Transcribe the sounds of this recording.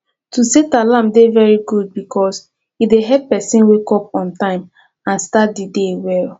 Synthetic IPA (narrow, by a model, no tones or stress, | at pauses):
tusetalãmdevɛɹiɡud̚bikʰɔs | hideɦɛppːɛsĩnwekɔp̚ɔ̃ntãɪ̃m | ãnstat̚didewɛl